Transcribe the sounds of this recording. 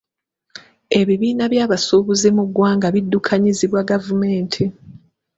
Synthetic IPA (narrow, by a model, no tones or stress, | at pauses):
e̞βiβiːnaβjaːβasuːβuzemuɡːwaːŋɡaβidːukʰaɲiziβwaɡavume̞ːntʰi